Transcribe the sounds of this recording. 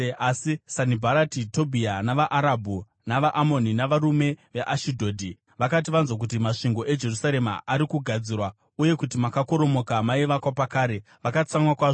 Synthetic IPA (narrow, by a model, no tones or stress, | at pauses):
asisanibʱaɾatito̞bʱianaʋaʔaɾabʱu | naʋaʔːmo̞ninaʋaɾume̞ʋeʔaʃidʱo̞ːdʱi | ʋakat̬iʋanzok̬utimaʂiŋɡo̞ʔe̞d͡ʒe̞rusaɾe̞ma̰ʔaɾikuɡʱad͡zirwa | uje̞kutimakako̞ɾo̞mo̞kamaiʋakwapakaːɾe̞ | ʋakat͡samwakwaːʐo